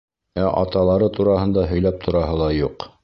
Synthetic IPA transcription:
æʔɑ̰t̪ɑlˠɑɾɤt̪uɾɑhɤ̆nd̪ɑɦɵ̆jlæp̚t̪ʰŏɾɑɦɤlˠɑjuq

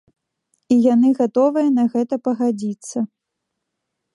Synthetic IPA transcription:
ijanɨɣat̪ɔvɨjɐnɐɣɛt̪ɐpɐɣad͡zʲit̪sːɐ

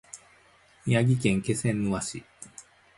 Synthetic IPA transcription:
ijaɡʲik̬ẽ̞ŋke̞sẽ̞nːɯβaɕi

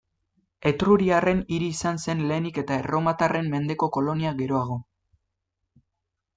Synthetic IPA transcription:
e̞t̪ɾuɾiare̞niɾiːsanse̞nle̞ːnike̞t̪aero̞mat̪are̞mːe̞nd̪e̞ko̞ko̞lo̞niaɣe̞ɾo̞aɣ̞o̞

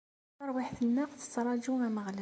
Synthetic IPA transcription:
ɑɾˤwiħθənːæqθə̥sɾˤɑd͡ʒuæməʁlæ

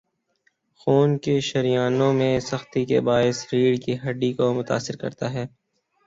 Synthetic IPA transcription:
xuːnkeʃɐɾijaːnõmẽsɐxt̪ikḛbaːɪsɾiːɽkiɦɐɖikomʊt̪a̰ːsɪɾkɐ̰ɾt̪aɦɛː

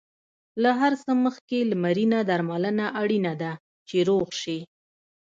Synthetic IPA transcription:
laɦaɾsəməxkelamaɾinad̪aɾmalənaʔaɽinad̪a | t͡ʃeɾoɣʃi

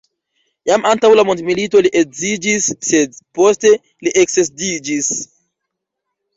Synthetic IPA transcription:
jamantawlamontmilito̞liʔekzid͡ʒisːedpo̞ste̞ | liʔekses̬did͡ʒis

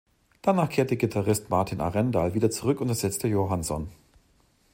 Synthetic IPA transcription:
d̥anaːχkʰeːɐtəɡitʰaʁɪstmaɐtʰinʔa̰ʁɛndaːlviːdɐt͡suʁʏkʊntɛɐz̥ɛt͡stəjoɦansɔn

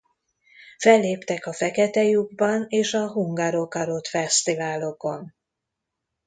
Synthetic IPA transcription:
fɛlːeːpt̪ɛkɒfɛkɛt̪ɛjuɡ̚bɒneːʃɒɦuŋɡaɾokɒɾot̪fɛst̪ivaːlo̞ko̞n

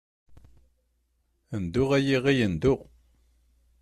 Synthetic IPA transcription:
ənd̪ʊʁæjiʁijənd̪ʊʁ

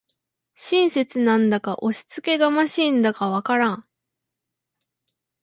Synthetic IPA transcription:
ɕĩɰ̃se̞t͡sɨnãnd̪akaʔo̞ɕi̥t͡sɨ̥ke̞ɡamaɕĩnd̪akaβakaɾãŋ̃

